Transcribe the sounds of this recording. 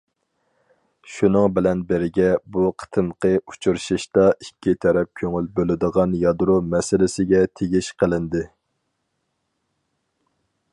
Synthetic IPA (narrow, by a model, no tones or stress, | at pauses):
ʃunɨŋbɪlɛnbɪɾɡʲɛbuqʰə̥t̪ʰɨmqʰəu̥t͡ʃʰuɾʃiʃt̪ɑikʲːit̪ʰɛɾɛp̚kʲʰøŋylbølɪd̪əʁɑnjɑd̪ɾumɛsɪlɪsɪɡʲɛt̪ʰeɡʲiʃqʰəlˠɪnd̪ɪ